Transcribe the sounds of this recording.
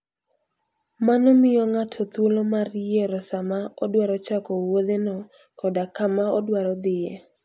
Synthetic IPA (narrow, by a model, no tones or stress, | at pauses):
manɔmɪjɔŋatʰɔt̪wolomarjeɾɔsamaɔdwaɾɔt͡ʃakɔwod̪enɔ | kɔdakamaɔdwaɾɔd̪ɪje